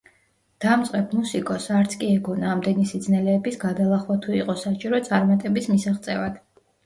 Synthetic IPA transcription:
d̪̥amt̪sʼqʼɛb̚musikʼɔsaɾt̪sʰkʼiɛɡɔnaːmd̪ɛnisid̪znɛlɛːbisɡad̪alˠaχwat̪ʰuiqʼɔsat͡ʃʼiɾɔt̪sʼaɾmat̪ʼɛbismisaχt̪sʼɛvad̪̥

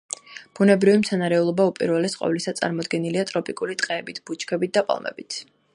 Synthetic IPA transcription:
b̥unɛbɾivimt̪sʰanaɾɛulˠɔbaupʼḭɾvɛlɛsqʼɔ̰vlisat̪sʼa̰ɾmɔd̪ɡɛniliat̪ʼɾɔpʼikʼulit̪ʼqʼɛːbit̪ʰb̥ut͡ʃʰkʰɛbit̪̚d̪apʼa̰lˠmɛ̰bit̪ʰ

